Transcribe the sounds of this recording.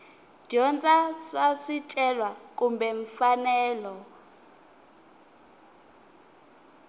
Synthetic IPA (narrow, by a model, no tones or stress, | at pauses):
d̥ʱiɔnt͡sʼasasitʼɛlwak̬ʼumbɛɱfanɛːlɔ